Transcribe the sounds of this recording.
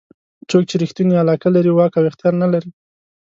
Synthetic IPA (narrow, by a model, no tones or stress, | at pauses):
t͡sok̚t͡ʃeɾɪxt̪unialɑkalaɾiwɑkawɪxt̪jɑɾnalaɾi